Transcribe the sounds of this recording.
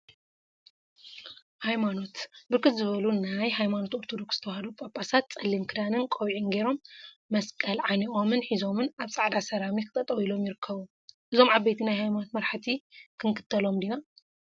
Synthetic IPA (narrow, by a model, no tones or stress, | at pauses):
hajmano̞t̪bɨɾkːɨt̪zɨβɐlunajɦajmano̞t̪oɾt̪ʰod̪o̞ksz̥ɨt̪ʰɐwhɐd̪upʼapʼːasat̪̚t͡sʼɐlːimkʰɨd̪anɨnkʼowʕinɡe̞ɾo̞mː | ɐskʼɐlʕaniʔo̞mɨnħizo̞mɨnaβsʼaʕd̪asɐɾamikʰɨ̥t̪ʼɐt̪ʼɐwilo̞mjɪɾɨkʰːɐβu | ʔɨzo̞mʕabːɐjt̪ʰinajhajmano̞t̪mɐɾħɨt̪ʰikʰɨŋkʰɨ̥t̪ʰːɐlomd̪ina